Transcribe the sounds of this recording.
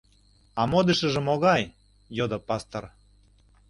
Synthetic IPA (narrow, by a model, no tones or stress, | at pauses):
ɑmod̪əʃə̆ʒə̆moɣɑj | jod̪ŏpɑst̪or